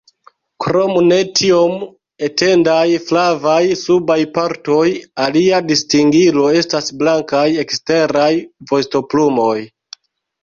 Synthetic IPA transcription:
kɾo̞mune̞tʰio̞m | ete̞ndajflavajsubajpaɾto̞jaliadistiŋɡilo̞e̞stasblaŋkaje̞kste̞ɾajvo̞sto̞plumo̞j

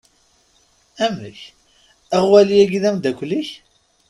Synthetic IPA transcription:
æmə̰ç | æʁwæliæɡiðæmd̪ækʷliç

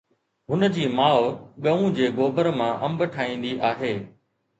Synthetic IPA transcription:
ɦʊnəd͡ʑiːmaːoɠɐũd͡ʑeːɡoːbəɾmãʔɐmbəʈʰaːĩːn̆d̪iʔaːɦeː

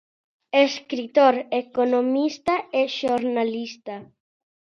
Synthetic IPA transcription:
eskɾit̪oɾekonomist̪aeʃoɾnalist̪a

